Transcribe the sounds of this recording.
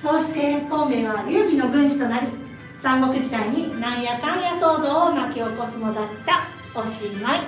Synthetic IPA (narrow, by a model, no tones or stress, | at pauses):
so̞ːɕi̥t̪e̞ko̞ːɡe̞βaɾʲɯːbʲino̞ɡɯ̟̃ɰ̃ɕi̥t̪o̞naɾʲi | sãŋɡo̞kɯ̟ʑid̪aiɲ̟inãɰ̃jakãɰ̃jaso̞ːd̪o̞ːmakʲeo̞ko̞sɨmod̪at̪ːa | oɕimai